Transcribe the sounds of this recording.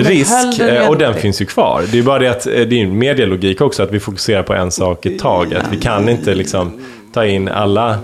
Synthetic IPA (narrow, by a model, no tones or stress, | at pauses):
ɾɪskɔd̪ɛnfɪnsjɵkʰv̥ɑ̰ːɾd̪ɛjɵbɑːɾad̪ɛat̪d̪ɛːɾjɵmeːɖ̪ɪalʊɡiːkɔksɔat̪vɪfʊkɵ̥seːɾaɾpʰɔʔɛnsɑːkɪt̪ʰːɑːɡa̰t̪vɪkʰanːɪnt̪əlɪksɔm | t̪ʰɑːɪnːa̰lːa